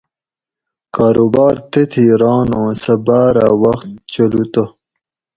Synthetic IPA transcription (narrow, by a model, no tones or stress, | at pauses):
kaːɾobaːɾt̪et̪ʰiɾɑːnõːsɐbaːɾa̰wɐxt̪̚t͡ɕɐlut̪o